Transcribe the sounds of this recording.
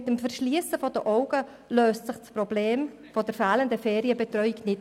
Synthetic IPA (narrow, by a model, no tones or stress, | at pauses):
ɪtːəmfəɾʃliəsəfɔdəʔɔʊɡə | løːstt͡sɪχspɾɔbleːm | fɔdəɾfɛːləndəfɛːɾiəbɛtɾœʏiknɪt